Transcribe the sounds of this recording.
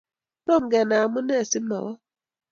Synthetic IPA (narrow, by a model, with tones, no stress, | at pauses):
no˦˨ŋ̩˨ɡɛ˨na˨a˨mʊ˦ne˦˨si˦mɔ̰˨ɔ˦